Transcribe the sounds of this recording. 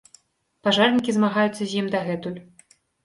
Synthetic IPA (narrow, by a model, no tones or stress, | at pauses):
paʐɑrnʲikʲizmɑɣɑjut̪t͡sːəzʲemd̪ɑɣɛt̪ulʲ